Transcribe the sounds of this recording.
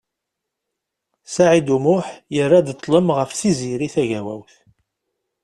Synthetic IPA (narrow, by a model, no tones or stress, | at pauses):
saʕid̪umʊħjərːad̪t̪ˤːləmʁəfθiziɾiθæʝæwæ̰wθ